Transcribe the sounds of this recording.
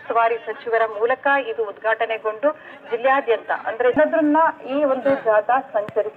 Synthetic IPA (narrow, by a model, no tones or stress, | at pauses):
t̪ɐʋaːɾisɐt͡ʃiʋɐɾɐmuːlɐkɐid̪uːd̪ɡʱaːʈɐneɡo̞ɳɖu | d͡ʒiljaːd̪jɐnt̪ɐ̰ʔɐ̰nd̪ɐɾenɐd̪ɾɐnːɐiːo̞nd̪ud͡ʒaːd̪ɐsɐɲt͡ʃɐɾis